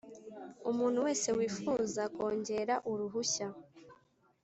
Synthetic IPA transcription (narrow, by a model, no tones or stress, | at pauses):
umuːn̥huwe̞ːse̞wiːfuːzako̞ːɲɟe̞ɾaʔuɾuɦuça